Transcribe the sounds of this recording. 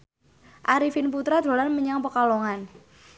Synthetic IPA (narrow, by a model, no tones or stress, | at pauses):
ʔaɾifinp̬ut̪ɾad̪̥ɾo̤lanməɲaŋpəkaloŋan